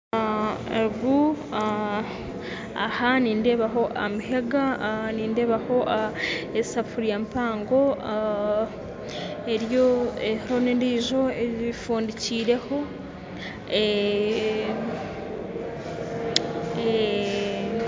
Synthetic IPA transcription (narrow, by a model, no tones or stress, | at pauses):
eɾuɡu | a | a̰haniːnde̞ːβaɦo̞ʔamiɦe̞ɡaniːnde̞ːβaho̞ʔaesafuɾjampaːŋɡo̞ | eɾjoehonediːʒo̞eifuːndiciːɾe̞ho̞ | e